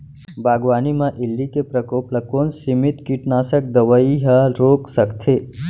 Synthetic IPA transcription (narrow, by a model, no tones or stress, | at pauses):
bʱaːɡʋaːnimãʔilːikepɾəkoːpləkoːnsimit̪kiʈnaːsək̚d̪əʋəiɦəɾoksəkt̪ʰe